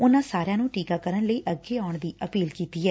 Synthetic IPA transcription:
ʊnãːsaːɾjãːnũːʈiːkaːkəɾənləiːʔəɡeːaːʊɳd̪iːʔəpiːlkiːt̪iːɦɛː

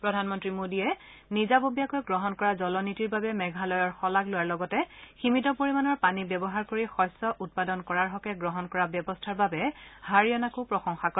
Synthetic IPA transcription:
pɹɔdʱanmɔntɹimodiɛ | nizabobijakojɡɹɔɦɔnkɔɹazɔlɔnitiɹbabɛmɛɡʱalɔjɔɹxɔlaɡlojaɹlɔɡɔtɛximitɔpoɹimanɔɹpanibjɛbɔɦaɹkoɹixɔjsɔʔut̚padɔnkɔɹaɹɦɔkɛɡɹɔɦɔnkɔɹabjɔbɔstʰaɹbabɛhaɹijɔnakʊpɹɔxɔŋxakɔ

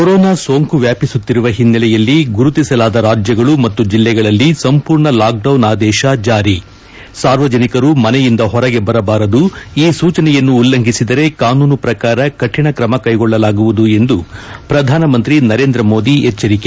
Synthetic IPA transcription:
kɔɾɔːnaːso̞ːŋkuʋjaːpisut̪ːiɾuʋɐɦinːɐlɛjɐlːiɡuɾut̪isɐlaːd̪ɐɾaːd͡ʒjɐɡɐɭumɐt̪ːud͡ʒilːɛɡɐɭɐlːisɐmpuːɾɳɐlaːk̚ɖɐwnaːd̪ɛːʃɐd͡ʒaːɾi | saːɾʋɐd͡ʒɐnikɐɾumɐnɛjind̪ɐɦɔɾɐɡe̞bɐɾɐbaːɾɐd̪uiːsuːt͡ʃɐnɛjɐnːuːlːɐŋɡʱisid̪ɐɾe̞kaːnuːnupɾɐkaːɾɐkɐʈʰːjɐɳɐkɾɐmɐkɐjɡɔɭːɐlaːɡuʋud̪ue̞nd̪upɾɐd̪ʱaːnɐmɐnt̪ɾinɐɾe̞ːnd̪ɾɐmo̞ːd̪iɛt͡ʃːɐɾike

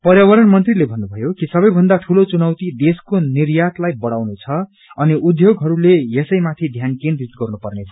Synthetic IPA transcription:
pʌrjawʌɾʌnmʌnt̪rilebʱʌnːubʱʌjokisʌbʌjbʱʌnd̪aʈʰulot͡sunʌwt̪id̪eskonirjat̪lajbʌɽawnet͡sʰʌ | ʌniʔud̪joɡɦʌɾulejesʌjmat̪ʰid̪ʱjankenrit̪ɡʌrnupʌrnet͡sʰʌ̥

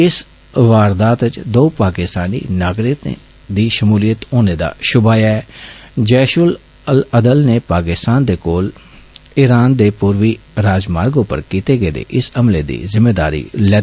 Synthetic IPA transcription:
ɪs | ʋaːɾd̪aːt̪t͡ʃd̪oːpaːkɪst̪aːnḭːnaːɡɾɪt̪ | d̪iːʃəmuːlijət̪oːneːd̪a̰ːʃʊbaːjaɛːd͡ʒɛːʃʊl | ələd̪əlneːpaːkɪst̪aːnd̪eːkoːl | ɪɾaːnd̪eːpuːɾʋiːɾaːd͡ʒmaːɾɡõːpə̰ɾkiːt̪eːɡeːd̪ḛːʔɪsəmleːd̪ḭːzɪmːeːd̪a̰ːɾḭːlɛː

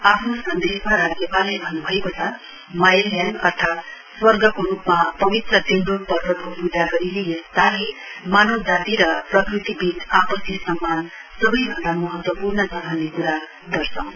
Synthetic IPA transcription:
apʰnosʌnd̪esmaɾad͡zjʌpalebʱʌnːubʱʌekot͡sʰʌ | majljanʌ̰rt̪ʰat̪ | swʌrɡʌkoɾupmapʌbit̪rʌt̪end̪opʌrːʌkopud̪ʱaɡʌɾilejʌst̪aɦemanod͡zat̪iɾʌprʌkrit̪ibit̪apʌsisʌmːan | sʌbʌjbʱʌnd̪amʌɦʌt̪wʌpurnʌsʌnɦanːekuɾa | d̪ʌrsʰʌw̃

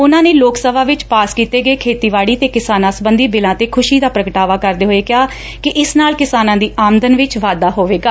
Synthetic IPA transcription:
ʊnãːneːloːksəbaːʋɪt͡ʃpaːskiːt̪eːɡəeːkʰeːt̪iːʋaːɽiːt̪eːkɪsaːnãːsəbənd̪iːbɪlãːt̪eːkʰʊʃiːd̪aːpɾəkəʈaːʋaːkəɾd̪eːɦoːeːkɪjaː | kɪʔɪsnaːlkɪsaːnãːd̪iːaːmd̪ənʋɪt͡ʃʋaːd̪aːɦoːʋeːɡaː

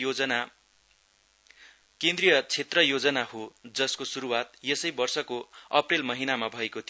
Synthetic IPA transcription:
na | kẽnd̪rijʌt͡sʰet̪rʌjod͡zʌnahod͡zʌskosuɾuwat̪̚jesʌjbʌrsʌkoʌprelmʌɦinamabʱʌekot̪ʰi

